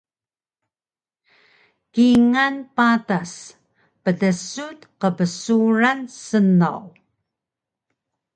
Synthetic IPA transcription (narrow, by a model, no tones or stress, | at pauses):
kiŋanpatas | pətəsut̪qəpəsuɹansəna̰w